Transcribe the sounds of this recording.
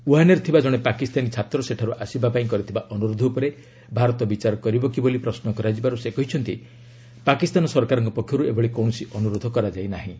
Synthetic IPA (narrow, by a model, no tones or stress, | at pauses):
uɦaneɾt̪ʰibad͡ʒɔɽ̃epakist̪anit͡ʃʰat̪ɾɔseʈʰaɾuʔasibapaĩkɔɾit̪ʰibaʔɔnuɾod̪ʱɔupɔɾe | bʱaɾɔt̪ɔbit͡ʃaɾɔkɔɾibɔkibolipɾɔsnɔkɔɾad͡ʒibaɾusekɔɦit͡ʃʰɔnt̪i | pakist̪anɔsɔɾkaɾɔŋkɔpɔkʰːjɔɾuebɔɭikɔw̃ɔsiʔɔnuɾod̪ʱɔkɔɾad͡ʒajnaɦĩ